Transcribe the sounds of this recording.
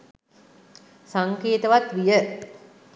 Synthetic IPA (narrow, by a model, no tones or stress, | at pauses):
saŋkeːt̪əʋat̪ʋijə